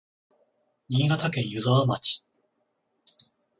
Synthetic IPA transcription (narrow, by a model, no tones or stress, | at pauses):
ɲʲĩːɡat̪akẽ̞ɰ̃jɯzaamat͡ɕi̥